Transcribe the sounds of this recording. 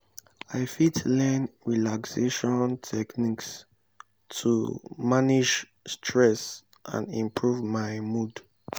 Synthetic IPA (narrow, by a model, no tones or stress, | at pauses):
aɪfitlɛnɹilakseʃɔ̃ntʰɛkniks | tʰṵmanid͡ʒ | stʰɹɛs | ʔã̰ndĩmpʰɹuvmaɪmud